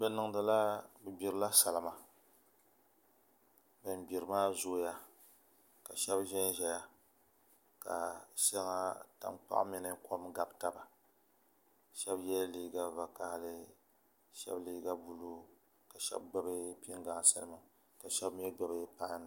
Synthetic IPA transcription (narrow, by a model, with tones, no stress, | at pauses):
bɛ˨nɨ˨ŋ˦dɨ˨la˦bɨ˨bi˨ɾɨ˨la˦sa˨lma˨ | bɨ˨nbi˨ɾɨ˨maː˦zoː˦ja˦ | ka˨ʃɛ˦bʒɛ˦n˦ʒɛ˨ja˨ | ka̰˨ʃɛ˦lŋa˦ta̰˨nk͡pa̰˦ʔmi˦nɨ˦kʰo˦m˦ɡa˨bta˦ba˨ | ʃɛ˦bjɛ˦liː˦ɡa˦va˨ka˦hlɨ˦ | ʃɛ̰˦bliː˦ɡa˦bu˨lu˦ | ka˨ʃɛ̰˦b̚ɡ͡ba˨bɨ˦pi˦ŋɡa˨ŋ˨sɨ̰˦nɨ˦mɨ˦˨ | ka˨ʃɛ˦bm˦ɛ˦ɡ͡ba˨bɨ˦pa˦n˨˦